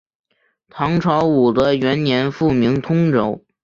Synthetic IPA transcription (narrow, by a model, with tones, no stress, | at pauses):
t̪ʰɑ˧˥ŋʈ͡ʂʰɑ˧˥ʊu˨˩d̪ə˦ɥɛ˧˥nnjɛ˧˥nfu˥˩mi˧˥ŋt̪ʰʊ˥ŋʈ͡ʂo˨˥ʊ